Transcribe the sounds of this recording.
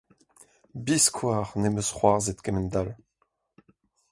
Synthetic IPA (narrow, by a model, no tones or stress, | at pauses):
biskʰwaːʁneməsχwaʁzet̪kɛmənd̪al